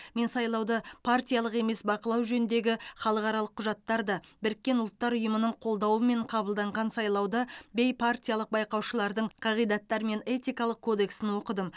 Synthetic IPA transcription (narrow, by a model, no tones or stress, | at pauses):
me̞nsɑjlˠɑwd̪əpʰart̪ʲijalˠəqe̞me̞sbɑqəlˠɑwʒɵnɪnd̪e̞ɡʲɪχɑlˠəqɑɾɑlˠəqʰːʊʒɑt̪ːɑɾd̪ɑbɪɾɪkʲːe̞nʊlˠət̪ːɑɾʊjəmənəɴqʰo̞lˠd̪ɑwəme̞ɴqʰɑbəlˠd̪ɑɴʁɑnsɑjlˠɑwd̪əbe̞jpʰart̪ʲijɑlˠəq̚bɑjqɑwʃəlˠɑɾd̪əɴqʰɑʁijd̪ɑt̪ːɑɾme̞ne̞t̪ijkɑlˠəq̚kʰo̞d̪e̞ksɪnwo̞qəd̪əm